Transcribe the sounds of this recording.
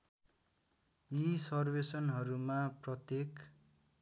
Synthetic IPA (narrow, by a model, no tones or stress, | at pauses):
jisʌrbesʌnɦʌɾumaprʌt̪jek